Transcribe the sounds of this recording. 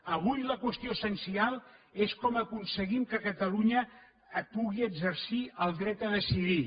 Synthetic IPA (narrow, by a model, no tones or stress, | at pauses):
əβ̞ujləkwəst̪ioəsənsialˠeskɔməkunsəɣimkəkət̪əluɲə | puɣiəɡzəɾsiəlˠd̪ɾɛt̪əðəsiði